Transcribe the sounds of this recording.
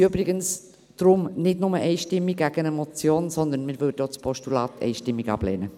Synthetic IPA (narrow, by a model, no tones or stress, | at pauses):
øbɾɪɡəns | d̥ɾʊmnɪdnʊməʔɛɪʃtɪmːiɡɡæɡ̥ənɛmot͡sjoːnsɔnd̪ənmɪɾvʏdjoːt͡spʰɔʃtulɑːtɛ̰ɪʃtɪmːiɡɑ̰b̥lɛ̰ːnə